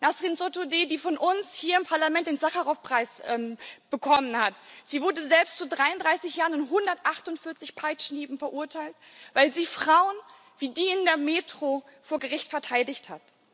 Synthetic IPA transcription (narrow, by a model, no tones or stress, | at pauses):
nastʁ̥insotodeːdiːfɔnʔʊnshiːɐɪmpʰaɐlamɛnt̚d̥eːnzaχaʁɔfpʁ̥aɪsʔɛːmb̥əkʰɔmənhatz̥iːvʊɐdəzɛlpstt͡sudʁaɪʊndʁaɪsɪçjaːʁənɪntɦʊndɐtʔaχtʊntfɪɐt͡sɪçpʰaɪt͡ʃniːbm̩fɛɐʔuɐtʰaɪlt | vaɪlziːfʁ̥aʊən | viːdiːɪndeːɐmeːtʁ̥ofoːɐɡəʁɪçtfɛɐtʰaɪdɪçthat